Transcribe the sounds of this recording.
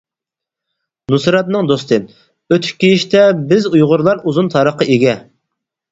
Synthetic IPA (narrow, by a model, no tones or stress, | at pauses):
nusɾɑt̪nɨŋd̪ost̪ʰɨ | øt̪ʰy̥kʲkʲːijiʃt̪ɛbɪzujʁʊɾlˠɑɾuzunt̪ʰɑɾəqːəʔeɡʲɛ